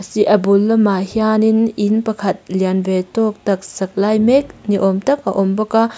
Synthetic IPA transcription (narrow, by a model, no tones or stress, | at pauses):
ɐsiʔɐbulːɐmahiaːnininpɐkʰɐt̪̚ljanvetɔk̚t̪ɐk̚sɐk̚lajmɛk̚niʔɔmtɐk̚ɐ̰ʔɔmbɐka